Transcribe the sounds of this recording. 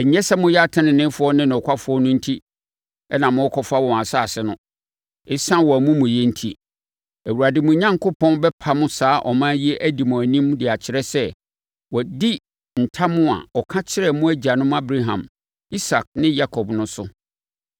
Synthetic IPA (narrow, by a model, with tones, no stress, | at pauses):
ɛ˨ɲɛ̃˦sɛ˦mʊ̃˦jɛ˦a˦tʰã˦nɪ̃˨nɪ̃˦fʊ˦ɔ˦nɪ̃˦ñ˨ɔ˨kʷʰa˦fʊ˨˦ɔ˦nʊ̃˦n̩˦tʰi˦ | ɛ˦nã˨mʊ̃˦ɔ˦kʰɔ˦fa˦wɔ̃˨a˨sa˦˨sɪ˦nʊ̃˦ | ɪ˦sã˦wɔ˨æ˨mũ˦mʊ̃˨jɛ˦n̩˦tʰi˦ | æ˨wu˨ɾa˨dɪ˨mʊ̃˨˦ɲã˦ŋkʰo˦pʰɔ̃˦nbɛ˦pʰa˦mʊ̃˦saː˨˦ʔɔ̰˨mã˦ji˦ɛ˦ʔæ˦di˨mʊ̃˨æ˨nĩ˦mdɪ˨a˨t͡ɕʰɪ˨ɾɛ˦sɛ˦ | wɔ˨di˦ | n̩˨tʰa˦mʊ̃˦a̰˨ɔ˨kʰã˦t͡ɕʰɪ˦ɾɛ˦mʊ̃˦æ˦d͡ʑi˨a˨nʊ̃˦m˦a˦bɾa˦ɦã̰˨m | i˦sa˨k̚nɪ̃˦ja˦kʰɔ˨bnʊ̃˦sʊ˦